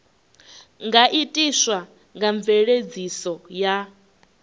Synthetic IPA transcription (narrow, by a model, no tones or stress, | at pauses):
ŋɡaʔitʼiswa | ŋɡaɱbveɺed͡zisɔja